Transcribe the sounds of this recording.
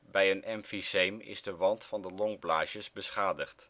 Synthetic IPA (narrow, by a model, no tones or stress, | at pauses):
bɛjənʔɛmfisejmɪ̰zdəʋɑntfɑndəlɔŋblaːʃəzbəsχaːdəχt